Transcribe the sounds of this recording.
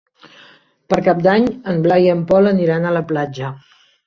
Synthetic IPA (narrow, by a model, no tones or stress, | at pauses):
pəɾkap̚d̪aɲəmblajiəmpɔləniɾanələplad͡ʒə